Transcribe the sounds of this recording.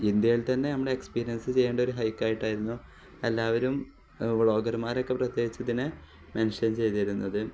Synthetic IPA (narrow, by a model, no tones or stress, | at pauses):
ind̪jɐjilt̪ɐnːe̞nɐmːɐɽeekspiːɾijɐnsɨt͡ɕe̞jːeːɳɖɐo̞ɾuɦɐjkːaːjiʈːaːjiɾunːu | elːaːʋɐɾum | ʋɭo̞ːɡɐrmaːɾo̞kːe̞prɐt̪jeːɡit͡ɕːɐðinɨ | mɐnʂɐnt͡ɕe̞jt̪ijɾunːɐðɨ